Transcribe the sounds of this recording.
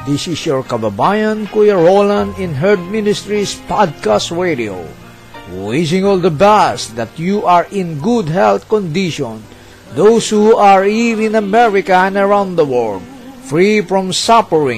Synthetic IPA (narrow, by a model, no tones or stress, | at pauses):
d̪ɪsɪsjɔɹkababajãnkujaɹolãnɪ̃nɦɛɹd̪̚mɪ̃nɪst̪ɹispad̪̚kastɹedio̰ | wɪd͡ʒɪ̃ŋɔld̪əbɛsd̪at̪juʔaɹɪ̃nɡud̪ɦɛlθkɔ̃nd̪iʃɔ̃n | d̪owshuaɹivɪ̃namɛɹikaɛ̃nəɹãw̃ndd̪əwɔl | fɹifɹɔ̃msapəɹɪ̰̃ŋ